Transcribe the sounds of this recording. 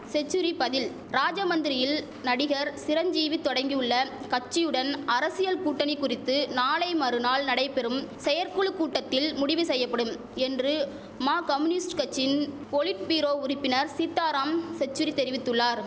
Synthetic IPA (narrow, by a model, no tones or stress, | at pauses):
sɛt͡ʃːɯɾipɐðɪl | ɾaːd͡ʒɐmɐnd̪ɪɾɪjɪl | nɐɽɪɣɐɾsɪɾɐɲd͡ʒiːʋit̪ɔɽɐŋɡiɯɭːɐ | kɐt͡ʃːɪjɯɽɐnɐɾɐsɪjɐlkuːʈːɐnɪkːʊrɪt̪ːɯnaːlɐɪmɐɾɯnaːlnɐɽɐɪpɛɾɯmsɛjɐɾkɯɭkːuːʈːɐt̪ːɪlmʊɽɪʋɯsɛjːɐpːɐɽɯm | ɛndrɯ | maːkɐmɯnɪsʈkɐt͡ʃːɪn | pɔɭɪʈ̚piːɾoːʊɾɪpːɪnɐɾsɪt̪ːaːɾaːmsɛt͡ʃːɯɾit̪ɛɾɪʋɪt̪ːɯɭːaːɾ